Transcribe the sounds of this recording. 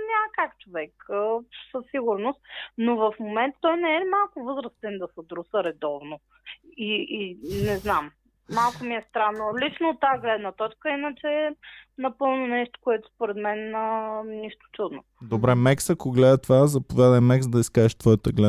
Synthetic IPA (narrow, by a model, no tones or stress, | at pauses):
nʲakakt͡ʃovɛksəsːiɡʊɾnʊst̪novɐfmomɛnt̪t̪ːɔjnɛɛmalˠkʊvɤzɾəst̪ɛnd̪ɐsəd̪ɾusəɾɛd̪ɔvno | iinɛznamː | alˠkomiɛst̪ɾanːolit͡ʃnoːt̪ːaɡlɛd̪nət̪ɔt͡ʃkəinət͡ʃɛnɐpɤlˠnonɛʃt̪o̥koɛt̪ʊ̥spoɾɛd̪mɛnəniʃt̪o̥t̪ud̪no | d̪obɾɛmɛksɐkoɡlɛd̪ət̪ovazɐpovʲjad̪əjmɛksd̪ɐiskaɛʃt̪vɔjət̪əɡlɛ